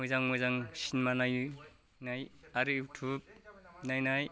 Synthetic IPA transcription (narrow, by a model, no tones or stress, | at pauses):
mɔjzaŋmɔjzaŋsinmanaju | najaɾɯjutʰub̚najnaj